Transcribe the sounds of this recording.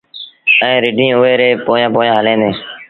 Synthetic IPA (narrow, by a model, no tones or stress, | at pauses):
ɛ̃ːɾɪɖʱĩːʊeːɾeːpoːjãːpoːjãːɦəlẽːd̪ẽː